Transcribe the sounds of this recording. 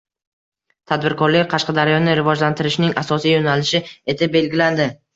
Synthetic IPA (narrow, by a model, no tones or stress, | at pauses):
t̪ʰad̪̚bɪɾkʰɒɾlɪkʲqʰɑʃqɑd̪aɾjɒnɪɾɪvɒd͡ʒlant̪ʰɪɾɪʃnɪŋasɒsijonalɪʃɪe̞t̪ʰɪbe̞lɡʲɪland̪ɪ